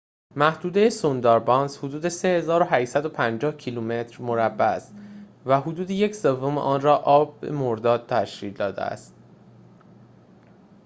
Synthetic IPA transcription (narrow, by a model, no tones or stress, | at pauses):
mæhd̪uːd̪e̞jesond̪ɒːɾbɒːnshod̪uːd̪e̞se̞he̞zɒːɾoɦæʃsæd̪o̞pʰænd͡ʒɒːhcʰilume̞t̪ʰɾmoɾæbːææst̪væɦod̪uːd̪ejecʰsevːo̞meʔɒːnrɒːʔɒːb̚bḛmoɾd̪ɒːd̪̚t̪ʰæʃciːld̪ɒːd̪ḛæ̰st̪̚